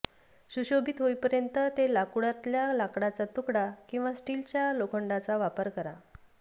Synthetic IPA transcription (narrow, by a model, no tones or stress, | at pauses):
ɕuɕobʱiːt̪ɦojpəɾjənt̪ət̪elakuɽat̪ljalakɽat͡sat̪ukɽakĩw̃ʋasʈilt͡ɕjalokʰəɳɖat͡saʋapəɾkəɾa̰